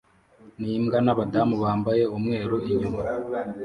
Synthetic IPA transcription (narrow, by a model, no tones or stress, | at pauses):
niːmɡanaβadamuβaːmbaje̞umŋe̞ːɾuʔiɲuma